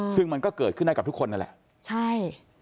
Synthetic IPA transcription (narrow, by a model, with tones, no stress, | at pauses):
t͡ɕʰɯ˧ŋma˧nkɔː˥˩kəɤː˨˩t̪̚kʰɯ˥˩˨a˧ka˨˩p̚t̪u˥kʰo˧nːa˦˥nlɛ̰˨˩ʔ | t͡ɕʰa˥˩j